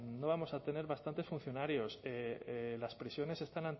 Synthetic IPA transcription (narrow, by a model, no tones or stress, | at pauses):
no̞β̞amo̞sat̪e̞ne̞ɾβast̪ant̪e̞sfun̟θjo̞naɾjo̞selaspɾesjo̞ne̞se̞st̪anan